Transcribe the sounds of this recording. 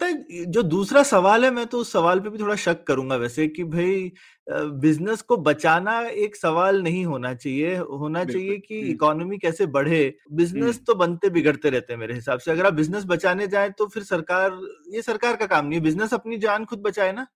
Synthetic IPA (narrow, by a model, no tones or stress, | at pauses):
ɐt̪ad͡ʒoːd̪uːsɾasɐʋaːlɦɛmɛ̃ːt̪oʊsːɐʋaːlp̬ebʱit̪ʰoːɽaʃɐkːɐɾũːŋ̆ɡaʋɛːsekibʱɐi | bɪznəskobɐt͡ʃaːnaeːksɐʋaːlnɐɦĩɦoːnat͡ʃaːɦieɦoːnat͡ʃaːɦiekiɪkɔːnmikɛːsebɐɽ̤ebɪznəst̪obɐnt̪ebɪɡəɽt̪eɾɛɦt̪eɦɛ̃mḛːɾeɦɪsaːbseɐɡəɾaːp̚bɪznəs̬bɐt͡ʃaːned͡ʒaːẽt̪ofɪɾsɐɾkaːɾjesɐɾkaːɾkakaːmnɐɦĩɛbɪznəsɐpnid͡ʒaːnxʊd̪̚bɐt͡ʃaːenaː